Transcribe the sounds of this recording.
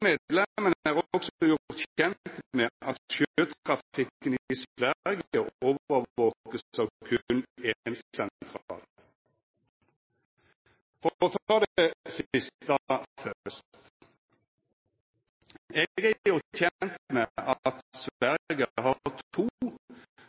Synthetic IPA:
meːd̪lɛmənəæːʁɔksjʊʁt̪çɛnt̪meʔɑt̪ʃøøːt̪kʰʁɑft̪ʰɪkːənsʋæʁɡəʔoːʋəoːkəsɑʋkʰʉnenssɛnt̪ʰʁɑːl | fɔt̪ʰɑːd̪ɛsɪst̪ɑfœst̪t | ɛɡəjʊʁt̪çɛnt̪meʔɑt̪sʋæʁɡəhɑt̪ʰuː

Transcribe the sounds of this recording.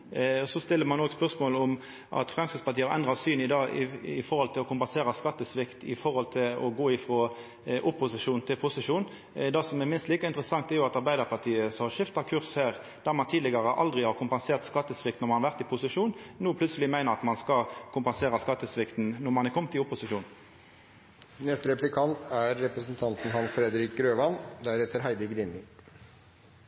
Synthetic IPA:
ɔsɔst̪ɪlːəɾmɑnoːɡspœʁsmoːlʊm | ʔɑ̰t̪fʁɛmskəspɑʁt̪iːəɑɾʔɛ̰nd̪ʁɑsyːnɪd̪ɑːɪ̰ɪfɔʁhɔlt̪ʰɪlɔkʊmpɛnseːɾɑskɑt̪ːəsʋɪkt̪ɪ̰fɔʁhɔlt̪ʰɪlɔ̰ɡoːɪfɾoː | ʔʊpːʊsɪʂuːnt̪ʰɪlpʰʊsɪʂuːn | d̪ɑsɔmɛmɪnst̪liːkəɪnt̪əɾəsɑŋt̪æjʊɑt̪ɑɾbæɪd̪əɾpʰɑʁt̪ʰiːəshɑʂɪft̪ɑkʰʉʁshæːʁ | d̪̥æʁmɑnt̪ʰiːd̪lɪɡɑʁəʔɑ̰ld̪ʁɪhɑʁkʰʊmpɛnseːʁt̪skɑt̪ːəsʋɪk̚t̪nɔʁmɑnɑʋæʁt̪ɪpʰʊsɪʂuːnnuːpʰlʉt̪səlɪmæɪnəʁɑt̪mɑnskɑkʰʊmpɛnseːʁɑskɑt̪ːəsʋɪkt̪n̩nɔmɑnɪkʰɔmt̪ʰɪʊpːʊsɪʂuːn | nɛst̪ɾɛplɪkʰɑnt̪æɾːɛpɾəsnt̪ʰɑnt̪n̩ɦɑnsfɾɛd̪əɾɪk̚ɾøːʋɑnd̪æɾɛt̪ːəɾɦæɪd̪əɡɾɪnɪ

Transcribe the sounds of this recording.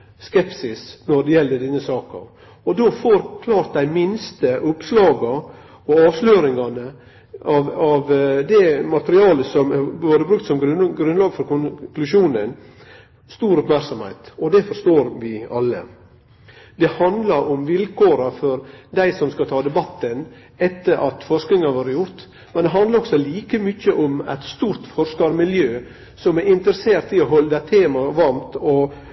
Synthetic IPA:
skɛpsɪsnɔɖɛjɛlːəɖ̪ɛnːəsɑːkɑ̰ | ɔd̪ofoɾkʰlɑːɾt̪̚d̪æɪmɪnst̪əʔʊpslɑːɡɑ | ɔɑːʋsløːɾɪŋɑnə | ɑʋɑʋd̪ɛmɑt̪əɾɪɑːləsɔmæɾboːɾəbɾʉkt̪sɔmɡɾʉɡɾʉnlɑːɡfɔɾkʰʊnklʉʂuːnən | st̪uːɾɔpmæɾksɔmhɛ̰ɪt̪ɔd̪ɛfɔɾʂt̪oːɾʋɪɑlːə̰ | d̪ɛhɑnd̪lɑɾʔʊmʋɪlkʰoːɾɑfɔɾd̪æɪsɔmskɑt̪ʰɑːd̪ɛbɑt̪ːən | ɛt̪ːəɾʔɑt̪fɔʂknɪŋɑʋɑːɾəjʊɾt̪ | mɛnd̪ɛɦɑnd̪lɑɾɔɡ̥sɔliːkəmʏçːəʔʊmæ̰ɪt̪st̪uːɾt̪fɔɾʂkɑɾmɪljøː | sɔmæɾɪnt̪əɾəseːɾt̪ɪɔɦɔlːəd̪æt̪ʰeːmɑʋɑɾmt̪ɔ

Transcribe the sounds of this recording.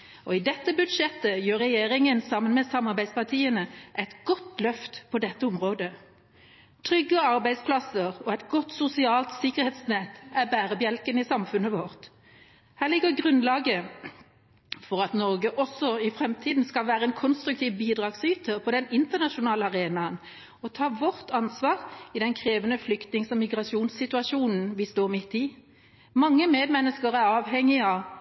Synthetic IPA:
ɔɪd̪ɛt̪ːəbʉd̪ʂɛt̪ːəjøːʁɛjeːɾɪŋənsɑmːənmɛsɑmɑɾbæɪd̪spɑʁt̪ʰiːənəʔɛɪt̪ɡ̥ɔt̪lœft̪pʰɔd̪ɛt̪ːəʊmʁoːd̪ə | t̪ʰʁʏɡəɑɾbæɪspʰlɑsəʁɔɛt̪ɡɔt̪sʊsɪɑːlt̪sɪkːəʁhɛːt̪snɛt̪æbæːʁəbjɛlkənɪsɑmfʉnːəʋɔʁt̪ | hæːʁlɪɡəɡʁʉnlɑːɡə | fɔʁɑt̪nɔʁɡəʔɔsːɔɪfɾɛmt̪ʰiːd̪n̩skɑlʋæːʁəɛnkʰɔnst̪ɾʉkt̪ʰiːʋbiːd̪ʁɑːɡsyːt̪ʰəpʰɔd̪ɛnɪnt̪əʁnɑʃʊnɑːləɑʁeːnɑən | ɔt̪ʰɑːʋɔʁt̪ʰɑnsʋɑːʁɪd̪ɛnkʰʁeːʋənəflʏkt̪nɪŋsɔmɪɡʁɑʃuːnsːɪt̪ʉɑʂuːnn̩ʋɪst̪oːʁmɪt̪ːɪ | mɑŋːəmeːd̪mɛnːəskəʁæɾɑːʋɦɛŋːɪɑ

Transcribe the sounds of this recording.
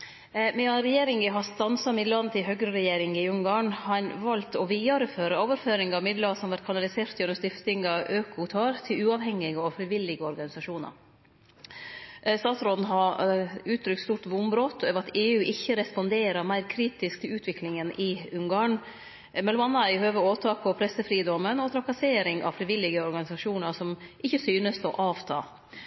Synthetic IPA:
mɛɑnɾɛjeːɾɪŋɪɦɑst̪ɑnsɑmɪd̪lɑnət̪ʰɪɦøɡɾəɾɛjeːɾɪŋɪʉŋɡɑːɳhɑnʋɑlt̪ɔʋiːɑɾəføːɾəoːʋəɾføːɾɪŋɑʋmɪd̪ləɑsɔmʋæɾʈ̪̚kʰɑnɑlɪseːɾt̪jʉnst̪ɪft̪ɪŋɑʔøːkʊt̪ʰɑːɾt̪ʰɪlʉːɑʋhɛŋːɪɡəɔfɾɪʋɪlːɪɡəɔɾɡɑnɪsɑʂuːnɑ̰ɾ | st̪ɑːt̪sɾoːd̪n̩ɦɑʉːt̪ʰɾʏkt̪st̪uːɾʈ̪ʋʊmbɾoːt̪øːʋəɾɑt̪eːʉːʔɪçːəɾɛspɔnd̪eːɾəɾmæɪɾkʰɾiːt̪ɪskt̪ʰɪlʉːt̪ʰʋɪklɪŋənʔɪʉŋɡɑːɳ | mɛlmɑnːæɪhøːʋəɾoːt̪ʰɑːkʰɔpʰɾɛsəfɾiːd̪ɔmːənɔt̪ʰɾɑkɑseːɾɪŋɑ̰fɾɪʋɪlːɪɡəɔɾɡɑnɪsɑʂuːnɑɾsɔmʔɪçːəsyːnəst̪ɔ̰ʔɑːʋt̪ʰɑ̰ː

